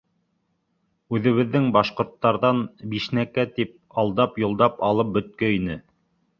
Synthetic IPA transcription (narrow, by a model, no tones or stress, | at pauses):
ʉðɘ̆βɘ̆ðːɘŋbɑʃqŏɾt̪ːɑɾðɑnbiʃnækæt̪ip̚ɑlˠd̪ɑpjŏlˠd̪ɑpɑlˠɤp̚bɵ̆t̪̚kɵinɘ